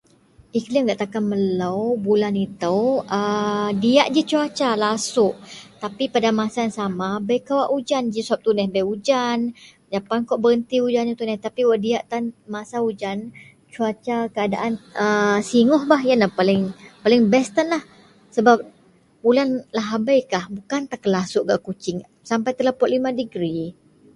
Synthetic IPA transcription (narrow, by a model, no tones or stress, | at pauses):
iklɪmɡaʔt̪akanmələwbulanit̪əwədiaʔd͡ʒit͡ʃuat͡ʃalasʊʔt̪apipadamasajaŋsamabɛjkawaʔud͡ʒand͡ʒisəap̚t̪unɛhbɛud͡ʒan | d͡ʒapankɔʔbəɾənt̪iud͡ʒanut̪unɛht̪apiwaʔdiaʔt̪anmasaud͡ʒan | t͡ʃuat͡ʃakəadaʔanəsiŋɔhbaɦjanahpalɪŋpalɪŋbɛst̪anlah | səbap̚ | bulanlaɦabajkahbukant̪akəlasʊʔkaʔkut͡ʃɪŋ | sampajt̪əlapɔʔlimãdəɡɾi